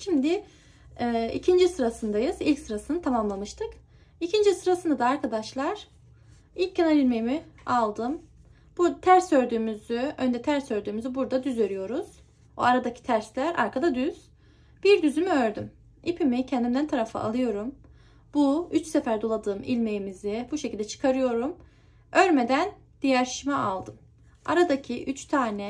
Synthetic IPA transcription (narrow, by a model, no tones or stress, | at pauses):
ʃimd̪ɪ | ɛːḭcʰind͡ʒisɯɾasɯnd̪ajɯz̥ilʲcsɯɾasɯnɯt̪ʰamamlˠamɯʃt̪ʰɯk | icʰind͡ʒisɯɾasɯnd̪ad̪aːɾkʰad̪aʃlˠaɾ̥ | ilʲc̚ʰːenaɾilʲmejimialˠd̪ɯm | b̥uɾd̪t̪ʰæɾsø̞ɾd̪yːmyzyønd̪ɛt̪ʰæɾsø̞ɾd̪yːmyzybuɾd̪ad̪yzø̞ɾyjo̞ɾuz̥ | o̰aɾad̪acʰi̥t̪ʰæɾslʲæɾa̰ɾkʰad̪ad̪yz̥ | b̥iɾd̪yzymyøɾd̪ym | ipʰimicʰɛnd̪imd̪ænt̪ʰaɾafɯ̰ʔa̰lˠɯjo̞ɾum | buyt͡ʃsefæɾd̪o̞lˠad̪ɯːmḭlʲme̞jimizibuʃecʰilʲd̪ɛt͡ʃʰɯ̥kʰaɾɯjo̞ɾum | ø̞ɾme̞d̪æn | d̪̥ijæɾʃimɛʔalˠd̪ɯm | a̰ɾad̪acʰiʔyt͡ʃt̪ʰaːnɛ